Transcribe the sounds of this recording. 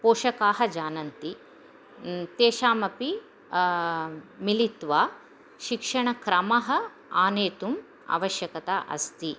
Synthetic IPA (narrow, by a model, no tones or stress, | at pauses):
poːʃɐkaːɦɐd͡ʒaːnɐnt̪i | t̪eːʃaːmɐpi | milit̪ʋaː | ʃikʂɐɳɐkɾɐmɐɦɐ̆ | aːneːt̪um | a̰ːʋɐʃjɐkɐt̪aːʔɐ̰st̪i